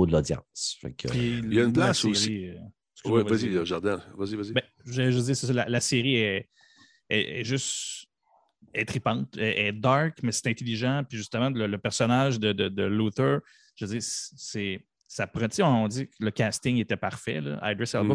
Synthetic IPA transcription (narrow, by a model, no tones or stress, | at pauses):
od̪əlɔd̪d͡zjɑ̰̃ːsfɛ̰kʰpijaynplasesii | skwivvazijaʒaʁd̪ɛ̃vazivazibɛ̃ | ʒʒəd͡ziːʁses̬ɔlalaseʁiɛ | ɛɛ̰ʒʏst̪ | ɛt̪χipɑ̃t̪ɛʔɛd̪ɑɹkmɛse̥t̪ɛ̃t̪eliʒɑ̃piʒyst̪əmãlələpɛʁsɔnaʒd̪əd̪əd̪əlut̪ə˞ | ʒ̥əd͡ziːʁssɛ | sapʁɑ̃t̪iɔ̃ɔ̃d͡z̪ikləkʲast̪ɪŋet̪ɛpaʁ̥fɛ̰lʌ̰ʔa̰jd̪ɹɛsalbɔ